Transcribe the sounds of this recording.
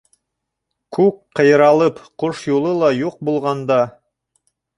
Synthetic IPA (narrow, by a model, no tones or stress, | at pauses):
kʉkqɤ̆jɤ̆ɾɑlˠɤpqoʃjulˠɤlˠɑjuq̚bulˠʁɑnd̪ɑ